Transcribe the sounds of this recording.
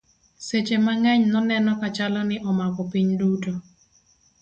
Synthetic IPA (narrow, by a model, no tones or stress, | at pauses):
set͡ʃemaŋɛɲnɔnɛnɔkat͡ʃalɔnɪʔɔmakɔpiɲduto